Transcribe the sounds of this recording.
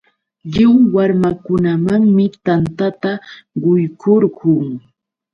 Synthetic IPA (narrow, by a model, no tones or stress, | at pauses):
ʎɪŋwaɾmakʊnamaŋmɪt̪ant̪at̪aɢʊjkʰoɾɢʊŋ